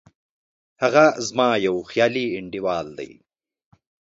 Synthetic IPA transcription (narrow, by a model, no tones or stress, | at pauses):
hɐɣazmɑːjɐwxjaːliɪɳɖiwɑːld̪ɐ̰j